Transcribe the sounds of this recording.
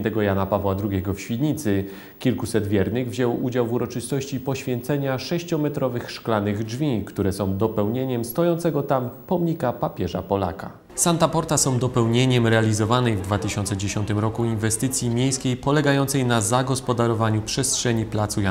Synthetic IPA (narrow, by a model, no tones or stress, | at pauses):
nt̪ɛɡɔjanapavwad̪ɾuɡʲɛɡɔfɕfʲid̪ɲit̪sɘ | kʲilkusɛd̪vʲjɛɾnɘɣvʑɛwud͡ʑawvuɾɔt͡ʂɘst̪ɔɕt͡ɕipɔɕfʲjɛnt̪sɛɲaʂɛɕt͡ɕɔmɛt̪ɾɔvɘxʂklanɘɣd͡ʐvʲikt̪uɾɛsɔ̃w̃d̪ɔpɛwɲeɲɛmst̪ɔjɔ̃nt̪sɛɡɔt̪ampɔmɲikapapʲjɛʐapɔla̰ka̰ | sant̪apɔɾt̪asɔ̃w̃d̪ɔpɛwɲeɲɛmɾɛalʲizɔvanɛjvd̪vat̪ɘɕɔnt̪sɛd͡ʑeɕɔnt̪ɘmɾɔkuinvɛst̪ɘt̪sʲjimʲjejskʲejpɔlɛɡajɔnt̪sɛjnazaɡɔspɔd̪aɾɔvaɲupʂɛstʂɛɲiplat̪suja